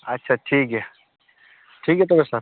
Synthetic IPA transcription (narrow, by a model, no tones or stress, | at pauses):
ɐtːʃʰaʈʰiːkɛ | ʈʰiːkɦɛt̪̬obesa